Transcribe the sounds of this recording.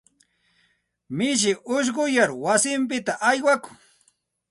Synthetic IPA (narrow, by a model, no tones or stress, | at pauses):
mɪʃ̬ɪʔʊʃ̬ɢʊjaɾwasɪmp̬ɪt̪aʔajwakʊ̥ŋ